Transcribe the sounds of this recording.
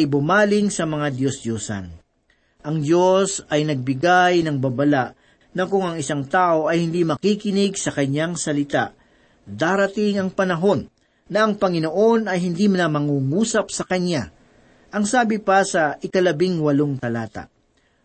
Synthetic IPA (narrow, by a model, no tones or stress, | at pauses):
jbʊmaːlɪŋsɐmɐŋad̪josd̪josɐ̰n | ʔɐŋd̪jo̞sɐjnɐɡ̚bɪɡajnɐŋbabɐlaʔ | nɐkʊŋɐŋɪsaŋt̪aːʔo̞ʔɐjhɪnd̪imɐkikɪnɪɡsɐkɐɲaŋsɐlɪt̪aʔ | d̪aːɾɐt̪ɪŋɐŋpɐnɐɦo̞nː | ɐʔɐŋpɐŋɪno̞ʔo̞nɐjɦɪnd̪imɐnamɐŋuːŋuːsɐp̚sɐkɐɲːa | ʔɐŋsaːbɪpɐsɐʔɪkɐlɐbɪŋwɐloŋt̪ɐlaːt̪a̰ʔ